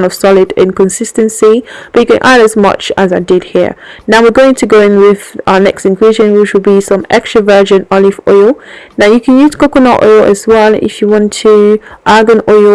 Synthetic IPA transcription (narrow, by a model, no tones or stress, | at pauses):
nəv̥sɑlɪdɪ̰̃nkə̃nsɪstə̃nsib̥ʌt͡ʃɨkɨ̃nʔa̰ɾəzmʌ̰t͡ʃəzaɪdɪd̚hḭɹnaʊwɪɹɡoʊɪ̃ŋtʰəɡoʊɪ̃ŋwɪðaənɛkstɪ̃nkʰiʒə̃nwɪʃəlˠbisʌ̃mɛ̰kstɹ̥əvɜ˞ʒɨ̃nɔlˠɪvɔ̰ɪlˠnaʊjɨkʰə̃njʉz̥kʰokənɔ̰ʔɔ̰ɪlˠə̰zwɛlˠɪ̰fjəwɑ̃ntʰəʔaɡə̃nɔɪ